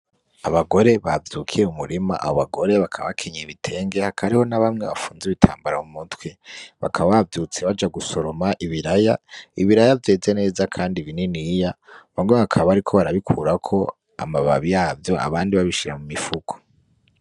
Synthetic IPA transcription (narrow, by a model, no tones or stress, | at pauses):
aβaɡo̞ɾe̞βavjuːkʰiɾeumuɾima̰ʔa̰hoβaɡo̞ɾe̞βakʰaa̰βakʰe̞ɲeβitʰe̞ːŋɡehakʰaɾiho̞naβamŋe̞̰βa̰fuːnziβitʰa̰ːmbaɾaumutweβa̰kʰaβaβavjuːt͡se̞βad͡ʒaɡuso̞ɾo̞maʔiβiɾajaiβiɾajavje̞ːze̞ne̞ːzakʰaːndiβininijaβaŋweβakʰaβaɾikʰo̞βaɾaβikʰṵːɾakʰo̞ | a̰maβa̰βijaːvjo̞a̰βaːndiβaβiʃiɾamumifukʰo̥